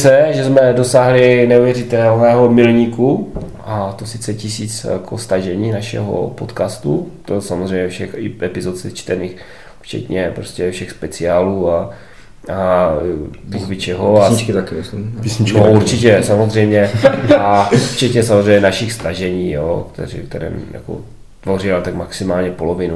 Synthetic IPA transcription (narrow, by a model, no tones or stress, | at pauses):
sɛʒɛzmɛdo̞saːɦlɪnɛuvjɛrɪt̪ɛlnɛːɦomɪlɲiːkuʔat̪osɪt͡sɛcɪsiːt͡sja̰kʰo̰st̪aʒɛɲiːnaʃɛ̰ɦo̰pot̪kaːst̪ut̪osamozr̝ɛjmɲɛfʃɛxɪʔɛpɪzot̪t͡sɛt͡ʃt̪ɛniːx | ft͡ʃɛ̰t̪ɲɛpɾoscɛfʃɛxspɛt͡sɪaːluːa | a | bubɪt͡ʃɛɦoaɲt͡ʃkɪt̪akɪospisɲit͡ʃnouɾt͡ʃɪcɛsamozr̝ɛjmɲɛaft͡ʃɛt̪ɲɛsamozrɛjɲɛnaʃɪxst̪aʒɛɲiːjoːkt̪ɛ̰ɾḭkt̪ɛɾɛ̰ːmja̰ko̰ | t̪vo̞rɪalt̪aɡmaksɪmaːlɲɛpolovɪnu